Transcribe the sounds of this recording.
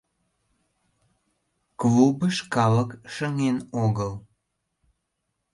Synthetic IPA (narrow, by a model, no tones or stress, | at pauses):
klubəʃkɑləkʃəŋenoɣəl